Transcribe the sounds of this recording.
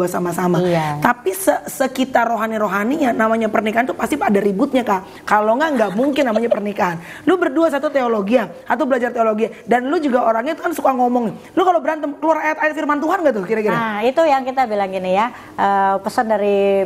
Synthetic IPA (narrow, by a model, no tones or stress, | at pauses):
asamasamaaapisəsəkit̪aroɦaniɾoɦaniɲanamaɲapərnikaɦant̪upast̪ipadaɾibʊt̪̚ɲaka | kaloŋɡaŋɡaʔmuŋkɪnːamaɲapərnikaɦan | lubərduas̬at̪ut̪eoloɡiaat̪awbəlad͡ʒart̪eoloɡiadanlud͡ʒuɡaoɾaŋɲat̪ukansukaŋɔmɔŋɪ | lukalobəɾant̪əmkəluaɾrajat̪aɪt̪firmant̪uɦanɡaʔt̪ʊhkiɾakiɾait̪ujaŋkit̪abilaŋinija | ʔəpəsəndaɾi